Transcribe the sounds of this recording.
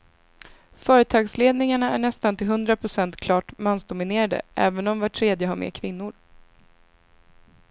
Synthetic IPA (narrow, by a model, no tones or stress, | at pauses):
fœːɾət̪ʰɑːɡsleːd̪nɪŋaɳaæɳɛst̪ant̪ɪlɦɵnd̪ɾapʰɾʊsɛnt̪kʰlɑːʈmansd̪ʊmɪneːɾad̪ə̰ʔɛ̰ːvənɔmvaʈʰːɾeːd̪jəɦaɾmḛːkʰvɪnːʊɾ